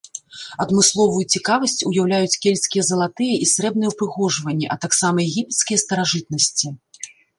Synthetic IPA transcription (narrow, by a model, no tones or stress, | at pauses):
ɐd̪mɨslˠɔvujut͡sʲikavɐsʲt͡sʲujawlʲajut͡sʲkʲɛlʲsʲkʲijɛzɐlˠat̪ɨjɐʔisɾɛbnɨjɛwpɾɨɣɔʐvɐnʲːɛʔɐt̪aksamɐjɛɣʲipʲɛt̪skʲijɐst̪ɐɾaʐɨt̪̚nɐsʲt͡sʲi